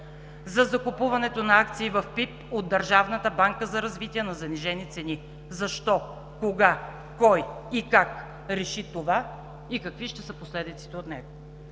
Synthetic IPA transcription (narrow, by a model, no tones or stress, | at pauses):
zɐzɐkupuvɐnɛt̪onɐak̚t̪siːvɐfpip | od̪̚d̪ɐɾʒavnət̪əbaŋkəzɐɾɐzvit̪iɛnɐzɐniʒɛnit̪sɛni | zɐʃt̪ɔ | koɡa | kɔjikak | ɾɛʃit̪ova | ikɐkviʃt̪ɛsəposlɛd̪it̪si̥t̪ɛot̪nɛ̰ɡo